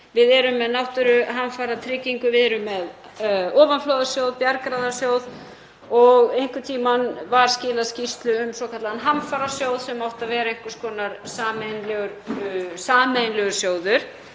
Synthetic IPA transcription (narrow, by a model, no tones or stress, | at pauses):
vɪðɛɾʏmːɛðnawht̪ʏɾʏɦamfaɾat̪ʰɾɪːciŋkʏvɪðɛɾʏmːɛð | ɔːvanflowðasjowðpjaɾkɾaðḁsjoːwð | ɔɣejŋ̥kʏt̪ʰiːmanvaɾ̥scɪːlaðscist̪lʏʏmsɔːkʰat̪laðanɦamfaɾḁsjowðsɛmawht̪avɛːɾaejŋ̥kʏɾ̥skʰɔːnaɾsaːmenlɛɣʏɾsaːmejnlœɣʏɾ̥sjoːwðʏɾ̥